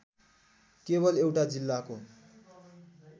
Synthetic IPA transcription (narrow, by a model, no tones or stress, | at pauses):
keβʌlewʈad͡zilːako